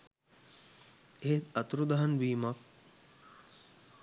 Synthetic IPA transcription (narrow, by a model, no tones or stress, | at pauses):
eet̪ɐt̪ɾud̪ɐɦɐnʋiːmɐk̚